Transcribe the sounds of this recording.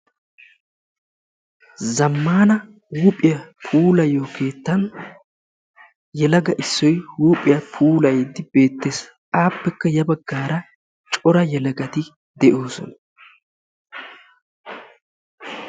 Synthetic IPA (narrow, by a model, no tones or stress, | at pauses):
zɐmːaːnɐ | wuːpʼːɪjɐpʰuːlɐjoːkʰe̞ːt̪ːɐn | jɛlɐɡɐʔɪsːɔjwuːpʼːɪjɐpʰuːlɐjd̪ːɪb̥e̞ːt̪ːe̞ːs | ʔaːpːɛkːɐjɐbɐɡːaːɾɐ | t͡ʃʼɔɾɐjɛlɐɡɐt̪ɪ | d̪ɛʔo̞ːsɔ̰nɐ